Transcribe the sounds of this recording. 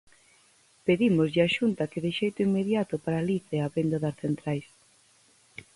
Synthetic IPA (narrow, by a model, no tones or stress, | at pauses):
peðimozʎɪaʃunt̪ɐkɪðɪʃejt̪ʊiŋmːeðjat̪ʊpaɾaliθeaβend̪aðasθent̪ɾajs